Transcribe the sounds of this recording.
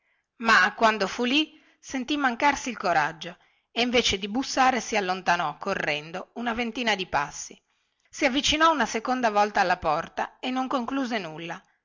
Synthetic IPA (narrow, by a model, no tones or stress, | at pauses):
makːwand̪ofuli | sent̪imːaŋkarsiːlkoɾad͡ʒːo | eiɱvet͡ʃed̪ibusːaːɾesialːont̪anɔkʰːorːɛnd̪ounavent̪iːnad̪ipa̰sːi | siavːit͡ʃinɔunasekond̪avɔlt̪aːlːapɔrt̪aenːoŋkoŋkluːzenulːa